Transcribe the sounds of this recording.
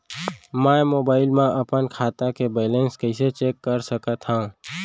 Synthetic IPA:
mɛ̃moːbaːɪlmẽʔəpənkʰaːt̪akebaːɪlenskəɪset͡ʃeːkːəɾsəkət̪ɦãː

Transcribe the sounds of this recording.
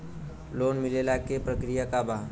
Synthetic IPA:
loːnmɪlelakepɾəkɾijakaba

